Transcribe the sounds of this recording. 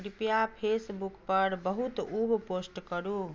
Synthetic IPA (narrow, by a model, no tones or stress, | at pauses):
ɾipjapʰesbukpəɾbəɦut̪ubposʈkəɾu